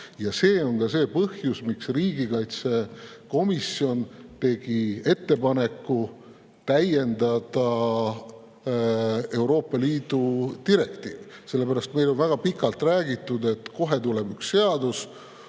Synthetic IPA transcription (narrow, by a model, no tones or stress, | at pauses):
jɑse̞ːo̞ŋkɑse̞ːpɤhjusmiksriːɡikɑjt̪se̞ko̞misio̞nt̪e̞ɡ̥ie̞t̪ːe̞pɑne̞kːˑu | t̪æje̞nd̪ɑd̪̥ɑ | e̞wɾo̞ːpːˑɑliːd̪̥ut̪iɾe̞kt̪iːvise̞lːe̞pæɾɑst̪me̞jlo̞nvæɡ̥ɑpikːˑɑlt̪ˑræːɡit̪ːˑud̪e̞t̪ko̞ɦe̞t̪ule̞byksːe̞ɑd̪us